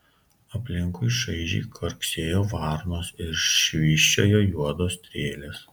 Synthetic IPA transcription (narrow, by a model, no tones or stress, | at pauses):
ɐpʲlʲɪŋkʊɪʃɐɪʒʲɛ̰ɪkʰɐɾkʲsʲeːjoːʋɑɾnoːsɪɾʃʲʋʲiːʃʲt͡ʃʲo̰ːjoːjuɔd̪oːst̪ʲɾʲeːlʲeːs